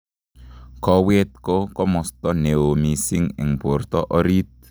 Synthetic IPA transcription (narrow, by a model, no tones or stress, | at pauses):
kɔwet̪̚kokɔmɔst̪ɔneomisiŋɪ̰ŋb̥ort̪ɔʔɔɾit̪̚